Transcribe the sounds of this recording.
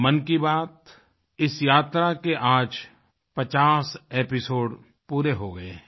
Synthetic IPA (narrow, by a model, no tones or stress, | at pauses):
mɐnkibaːt̪ | ɪsjaːt̪ɾakeʔaːd͡ʒ | pɐt͡ʃaːseːpɪsoːɖ | puːɾeɦoɡɐe